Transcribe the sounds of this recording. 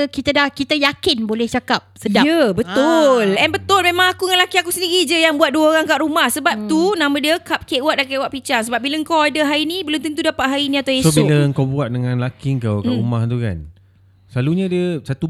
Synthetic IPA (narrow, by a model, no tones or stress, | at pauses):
kit̪adahkit̪ajakɪnbolɛht͡ʃakap̚sədaəbət̪ʊlɛnbət̪ʊlmẽmãŋakuŋãnlakiakusəndiɾid͡ʒəjaŋbuat̪̚duəoɾaŋkaʔɾumahsəbap̚t̪unãmãdiəkap̚keʔwaʔ̚daʔkeʔwaʔpit͡ʃaŋsəbap̚bilaəŋkawadəɦainĩbəlʊnt̪əŋt̪̬udapaʔɦainĩat̪awesosbiləəŋkawbuat̪̚dəŋãnlakiəŋkawkaʔumaht̪uka̰n | səlaluɲãdəsat̪u